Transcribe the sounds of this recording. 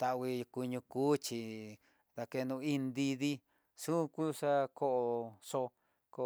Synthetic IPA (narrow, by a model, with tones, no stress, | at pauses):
t̪a˧˨˧wi˧ku˧ɲũ˧kuː˦t͡ʃi˧ | ða˧ke˧nũ˧i˦nd̪i˧ði˦ | ʂu˦ku˦ʂa˦ko˦ʔo˧ʂo˧ | ko˧